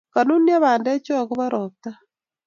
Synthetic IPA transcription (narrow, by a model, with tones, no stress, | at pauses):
ka˨nu˦nːja˦βaː˨ndɛ˦t͡ʃɔ˦˨ku˦βa˦ɾʔɔ˨t̪a˦